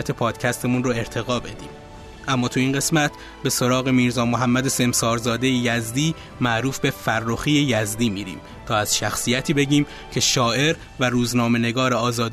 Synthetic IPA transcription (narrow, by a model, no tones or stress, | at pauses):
æt̪ʰe̞pʰɒːd̪̥cʰæst̪ʰe̞munroe̞ɾt̪ʰe̞ɣɒːbe̞d̪ḭːm | ʔæmːɒːt̪ʰuiːnɢe̞smæt̪ʰ | be̞soɾɒːɣe̞miːɾzɒːmoɦæmːæd̪e̞se̞msɒːɾzɒːd̪e̞jejæzd̪iː | mæʔɾuːfbe̞færːoxiːejæzd̪iːmiːɾḭːm | t̪ʰɒːæz̥ʃæxsijæt̪ʰiːbe̞ɟiːm | cʰe̞ʃɒːʔe̞ɾ | væɾuːznɒːme̞neɡɒːɾeɒːzɒːd̪